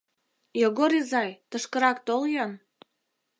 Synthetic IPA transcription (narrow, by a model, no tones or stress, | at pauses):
joɣoɾizɑjt̪əʃkəɾɑkt̪oljon